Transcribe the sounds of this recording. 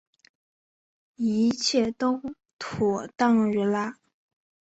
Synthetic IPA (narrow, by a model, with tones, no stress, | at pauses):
i˧˥t͡ɕʰjɛ˥˩t̪o˥ | t̪ʰɔ˨˩t̪ɑ˥˧ŋɥɛ˧˥la˥